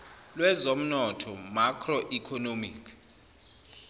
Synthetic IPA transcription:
lwɛzom̩nɔtʰɔmakʰrɔʔikʰɔnomiːkʰ

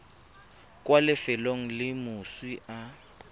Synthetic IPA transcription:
kʼwalɪfɛloŋ̩lɪmʊswiʔa

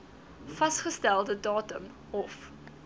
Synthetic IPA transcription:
fɐsχəstælˠdədɑːtəm | ɔf

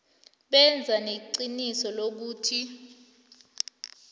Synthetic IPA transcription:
ɓɛnd͡zʱaneǃinisɔlok̬uːtʰi

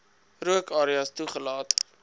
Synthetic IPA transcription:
ruəkɑːɾiɐstuχəlɑːt

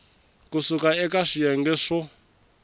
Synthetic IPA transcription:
kusukaɛkaʂijɛŋɡɛʂɔ

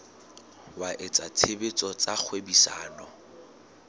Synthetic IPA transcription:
waʔɪt͡sʼat͡sʰebet͡sʼɔt͡sak͡xʰwebisa̰ːnɔ

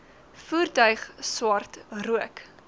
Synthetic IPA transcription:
fuːrtœɥχswɐrtruək

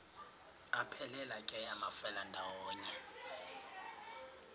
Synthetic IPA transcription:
apʰɛlɛlakʼɛjamafɛlandʱawɔːɲɛ

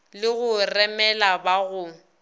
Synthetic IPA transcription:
lɪɣʊrɛmɛlabaɣʊ

